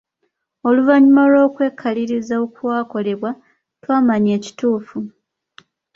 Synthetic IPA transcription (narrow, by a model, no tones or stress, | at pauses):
o̞luvaɲimalo̞ːkwe̞ːkʰːaliɾizaokuwaːko̞le̞βwa | twaːmaɲe̞ːci̥tuːfu